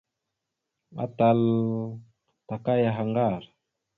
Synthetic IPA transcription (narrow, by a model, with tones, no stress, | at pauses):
a̰˦ta˨l | ta˨ka˦ja˨ɦa˨ŋɡa˦˨ɾ